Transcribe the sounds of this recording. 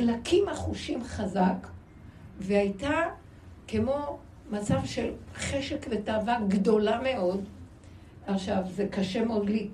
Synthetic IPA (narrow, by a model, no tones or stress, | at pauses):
lakimaχuʃimχazak | veajta | ke̞mo̞ | mat͡savʃe̞lχeʃekve̞taːvaɡdo̞lame̞ʔo̞d | aχʃavzekaʃemodli